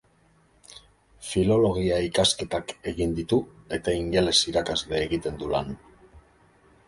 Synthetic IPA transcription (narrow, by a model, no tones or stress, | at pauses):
filo̞lo̞ɣ̞iaikaske̞t̪ake̞ɣind̪it̪u | e̞t̪aiŋɡe̞le̞siɾakazle̞ːɣit̪e̞nd̪ulan